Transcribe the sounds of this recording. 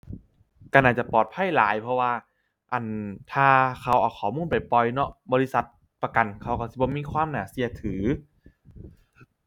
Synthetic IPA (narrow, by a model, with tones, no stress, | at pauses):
ka˧˩nʔaː˨˩t̪̚t͡ɕa˨˩pɔː˨˩t̪̚pʰa˧˥˨jla̰ː˨˦jpʰɔ˧waː˧ | ʔa˨˩nt̪ʰaː˧kʰa˧˩wʔa˨˩wkʰɔː˨˩muː˧˥˨npa˨˩jpɔ˧jnɔ˦˥ʔbɔː˧li˧˥sa˨˧˩t̪̚ | pa˧ka˨˩nkʰa˧˩wka˧˩si˧˦bɔː˧˦miː˧˥˨kʰwaː˧˥˨mnaː˨˩si˧˩ɐt̪ʰɯː˩˦